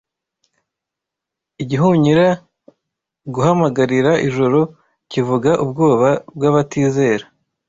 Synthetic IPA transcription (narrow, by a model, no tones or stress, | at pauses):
iɟiɦuɲiɾa | ɡuhamaɡaɾiɾaʔiʒoɾo̞ | civuɡaʔub̚ɡo̞ːβabɡaβatiːze̞ːɾa